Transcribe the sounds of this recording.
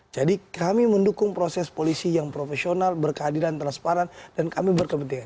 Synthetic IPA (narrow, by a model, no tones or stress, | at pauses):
d͡ʒadikamiməndukʊŋpɾosɛspolisijaŋpɾofesionalbərkəɦadilant̪əɾaspaɾand̥ankamibərkəmənt̪iŋan